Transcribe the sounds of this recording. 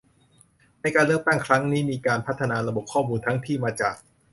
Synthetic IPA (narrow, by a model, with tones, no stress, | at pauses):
na˧jkaː˧nlɯ˥˩ək̚t̪a˥˩ŋkʰɾa˦˥ŋniː˦˥miː˧kaː˧npʰa˦˥t̪ʰːa˧naː˧ɾa˧bo˨˩p̚kʰːɔː˥˩muː˧nt̪ʰa˦˥ŋt̪ʰiː˥˩maː˧t͡ɕaː˨˩k̚